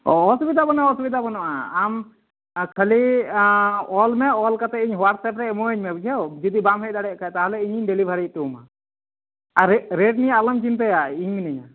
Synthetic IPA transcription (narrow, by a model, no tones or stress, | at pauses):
ɔɔsbid̪ʱabɔnaɔsbid̪ʱabɔnɔʔaːm | kʰəli | ɔlmɛɔlkat̪ɛiɲɦwaɾsɛpɾɛmɔiɲmɛbud͡ʒʰʱɛwd͡ʒid̪ibamɦɛc̚d̪aɽɛʔkat̪aɦalɛiɲiɲɖɛlibʱaɾit̪uma̰ | aɾɾeʈ̚nijaːləmt͡ʃint̪ɛjaiɲminɛɲa̰